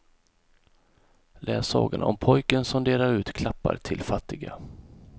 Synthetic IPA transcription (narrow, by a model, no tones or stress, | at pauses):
lʔɛːsɑ̰ːɡanaɔmpʰɔjkənsɔmd̪eːɾaɾʉ̟ːt̪kʰlapːa̰ɾt̪ʰɪlfat̪ːɪɡa